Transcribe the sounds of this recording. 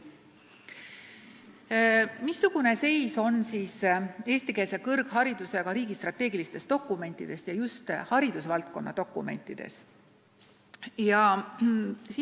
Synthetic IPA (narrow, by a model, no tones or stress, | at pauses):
misːuɡ̥une̞se̞jso̞nsiːse̞ːst̪ikeːse̞kɤrɡ̥ɦɑɾid̪̥use̞ɡ̥ɑɾiːɡ̥ist̪rɑt̪ːˑe̞ːɡilist̪e̞st̪o̞kːˑume̞nʲt̪ːˑid̪̥e̞st̪jɑjust̪hɑɾid̪̥usvɑlt̪̚ko̞̰nːɑ̰t̪o̞kːˑṵme̞̰nt̪ːˑid̪̥e̞̰s | jɑ | siː